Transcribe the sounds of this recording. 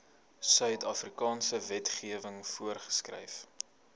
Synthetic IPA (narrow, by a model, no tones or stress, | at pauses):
sœɥtʰɐfrikɑːnsəvɛtχiəvəŋfuərχə̥skrɛ̰jf